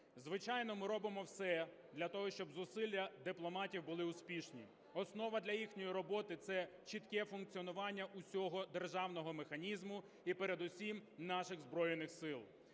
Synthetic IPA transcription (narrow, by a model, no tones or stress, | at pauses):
zʋɪt͡ʃɑjnɔmɪɾɔbɪmɔwsɛ | d̪lʲɐt̪ɔɦɔʃt͡ʃɔbzʊsɪlʲjɐd̪ɪplˠɔmɑtʲiwbʊlˠɪʊspʲiʃnʲḭ | ɔsnɔʋɐd̪lʲɐjixnʲɔjiɾɔbɔt̪ɪt̪sɛ | t͡ʃit̪kɛfʊnk̚t͡sʲiɔnʊʋɑnʲːɐʔʊsʲɔɦɔd̪erʒɑwnɔɦɔmexɐnʲizmʊ | ipeɾed̪ʊsʲimnɑʃɪɣzbɾɔjenɪxsɪlˠ